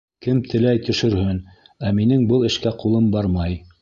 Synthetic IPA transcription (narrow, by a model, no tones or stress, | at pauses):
kɘmt̪ʰɘ̆læjt̪ɵ̆ʃɵ̆ɾhɵn | æminɘŋbɤlˠɘ̆ʃkæqulˠɤmbɑɾmɑj